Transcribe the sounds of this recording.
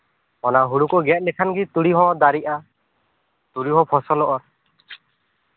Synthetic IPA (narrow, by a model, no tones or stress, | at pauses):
ɔnaɦuɽukɔɡɛt̚ˀlɛkʰanɡit̪uɽiɦɔ̃d̪aɾiʔa | t̪uɽiɦɔ̃pʰɔsɔlɔʔɔɾ